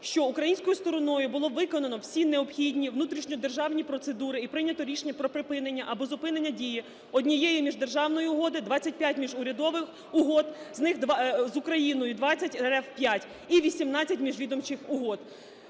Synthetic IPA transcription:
ʃt͡ʃɔukɾɐjinsʲkɔjʊst̪ɔɾɔnɔjʊbʊlˠɔʋɪkɔnɐnɔwsʲineɔbxʲidʲnʲiʋnut̪ɾʲiʃnʲɔd̪e̞rʒɑwnʲipɾɔt̪se̞d̪uɾɪipɾɪnʲɐt̪ɔɾʲiʃenʲːɐpɾɔpɾɪpɪnenʲːɐʔɐbɔzʊpɪnenʲːɐdʲiji | ɔdʲnʲijɛjimʲiʒd̪e̞rʒɑwnɔjiʊɦɔd̪ɪd̪ʋɑt͡sʲɐt̚ʲpʲjatʲmʲiʒʊɾʲɐd̪ɔʋɪx | ʊɦɔd̪znɪxd̪zʊkɾɐjinɔjʊd̪ʋɑt͡sʲːɐtʲeɾɛwpʲjatʲ | iʋʲisʲimnɑt͡sʲːɐtʲmʲiʒʋʲid̪ɔmt͡ʃɪxʊɦɔd̪

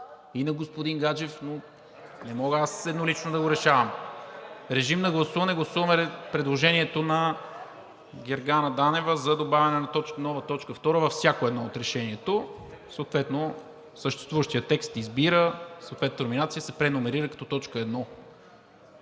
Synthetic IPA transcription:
inɐɡospod̪inɡad͡ʒɛfno | nɛmɔɡəasɛd̪nolit͡ʃnod̪ɐɡoɾɛʃavɐm | ɾɛʒimnɐɡlˠɐsuvɐnɛɡlˠɐsuvɐmɛɾpɾɛd̪lˠoʒɛniɛt̪onɐ | ɡʲɛɾɡanəd̪anɛvəzɐd̪obavʲɐnɛnɐt̪ɔt͡ʃknɔvɐt̪ɔt͡ʃkəft̪ɔɾəvɐfsʲjakoɛd̪nɔot̪ɾɛʃɛniɛt̪o | soːt̪vɛt̪no | səʃt̪ɛ̥st̪vuvəʃt̪ijət̪ɛkst̪izbiɾəsot̪vɛt̪ənminat̪sijəsɛpɾɛnomɛɾiɾəkɐ̥t̪ɔt̪ɔt͡ʃkəɛd̪nɔ

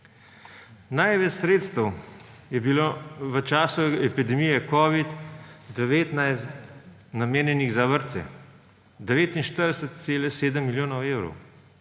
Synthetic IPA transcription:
najʋɛt͡ʃsɾeːt̪st̪əw | jɛbiloʋət͡ʃaːsuɛpid̪ɛmijɛkɔːʋit̪d̪ɛʋeːt̪najst̪ | nameːnjɛniɣzaʋəɾt̪sɛ̰ | d̪ɛʋeːt̪inʃt̪əɾd̪ɛsət̪̚seːlɛseːd̪əmːiljoːnɔweːwɾɔ̰w

